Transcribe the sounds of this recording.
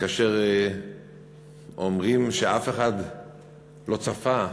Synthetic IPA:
kaːʃeʁ | omʁimʃeafeχad̪ | lo̞t͡safa

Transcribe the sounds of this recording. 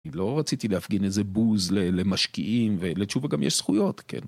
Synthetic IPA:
lo̞ʁat͡sit̪ilehafɡinezebuzlelemaʃkḭʔimvelet͡ʃuveɡamjɛ̰ʃsχujo̞t̪kḛn

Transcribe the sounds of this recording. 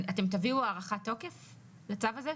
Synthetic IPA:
ate̞mt̪̬aviuaːʁaχatːo̞ke̞f | let͡savaze

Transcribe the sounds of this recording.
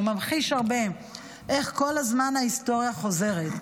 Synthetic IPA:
mamχiʃaʁbe̞ | ʔe̞χko̞lazmanaisto̞ʁjaχo̞ze̞ʁet

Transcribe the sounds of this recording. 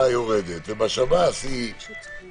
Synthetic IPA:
ajoʁed̪et̪vebaʃavasi

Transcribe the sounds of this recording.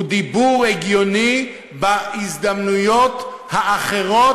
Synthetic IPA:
d̪ibuʁeɡjoni | baizd̪amnujot̪ | haʔːχeʁo

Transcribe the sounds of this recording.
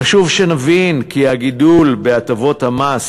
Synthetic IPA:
aʃuvʃenavinkihaɡidulbeatavo̞t̪hamas

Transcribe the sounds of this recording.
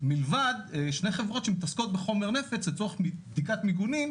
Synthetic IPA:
milvad̪ʃne̞jχe̞vʁo̞tʃe̞mit̪askot̪̚beχo̞me̞ʁne̞fet͡slet͡soʁemibd̪ikat̪miɡunim

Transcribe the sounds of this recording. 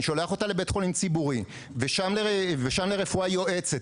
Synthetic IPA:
ʃo̞leaχo̞talebe̞tχolint͡sibuʁi | veʃamleʁeveʃamleʁe̞fuajo̞ʔe̞t͡se

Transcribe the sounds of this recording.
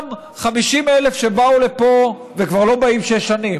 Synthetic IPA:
m | χamiʃimelefʃebaule̞po̞ | vekvaʁlo̞baimʃeʃanim

